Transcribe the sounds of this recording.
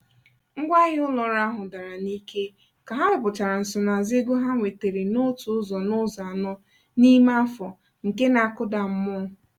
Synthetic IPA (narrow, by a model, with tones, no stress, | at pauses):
ŋ̩˦ɡʷa˦ɣɪ˦ʊ˦lɔ˨˦ɾa˦ɦʊ˨da˨ɾa˨ni˦ke˦ | ka˨ɦa˦ɾʊ˨pʊ˨t͡ʃa˨ɾa˨n̩˨sʊ˨na˨zɪ˦ɡu˦ɦa˦ŋʷe˨te˨ɾi˨no˦tʊ˨ʊ˦zɔ˨nʊ˦za˨nɔ˦ | ni˦ma˦fɔ˨ | ŋ̩˨ke˦na˨a˦kʊ˦da˨m̩˦mʊ˦˨